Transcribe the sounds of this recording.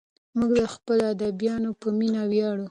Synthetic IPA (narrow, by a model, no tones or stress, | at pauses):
muɡd̪əxpəload̪abjɑnopəminawjɑɽu